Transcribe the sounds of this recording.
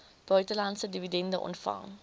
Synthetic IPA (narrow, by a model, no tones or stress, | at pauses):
b̥œɥtəlɐntsədividɛndəʔɔ̰ntfɐ̰ŋ